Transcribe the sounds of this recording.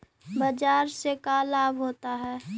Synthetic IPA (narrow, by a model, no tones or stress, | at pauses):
bad͡ʒaːɾsekalaːbʱɦoːt̪aɦɛː